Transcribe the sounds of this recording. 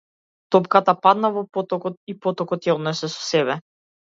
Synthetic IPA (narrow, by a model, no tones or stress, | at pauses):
t̪ɔpkat̪apad̪navɔpɔt̪ɔkɔt̪̚ipɔt̪ɔkɔt̪jaɔd̪nɛsɛsɔ̥sɛbɛ